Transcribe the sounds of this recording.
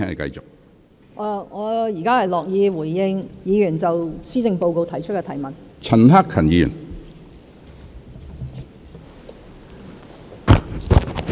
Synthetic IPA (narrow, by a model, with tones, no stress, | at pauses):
ɛː˥ŋle˨˩kɐ̰˧jt͡sʊ˨k̚ | ʔaː˨˧ŋɔː˨˧jiː˨˩kaː˥hɐ˨jlɔː˨k̚jiː˨˧wuː˨˩jːɪ˧ŋjiː˨˧jyː˨˩nt͡sɐ˨wsiː˥t͡sɪ˧ŋpo˧wko˧wt̪ʰɐ˨˩jt͡ʃʰɵ˥t̚kɛː˧t̪ʰɐ˨˩jmɐ˨nt͡sʰɐ˨˩nhaː˥kʰɐ˨˩njiː˨jy̰˨˩n